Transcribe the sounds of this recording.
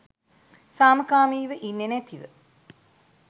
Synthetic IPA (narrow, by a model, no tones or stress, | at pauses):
saːməkaːmiːʋəʔinːenæt̪iʋə̰